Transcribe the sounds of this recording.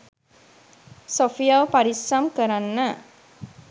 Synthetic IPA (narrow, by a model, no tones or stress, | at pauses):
sofijawpaɾisamkəɾanːa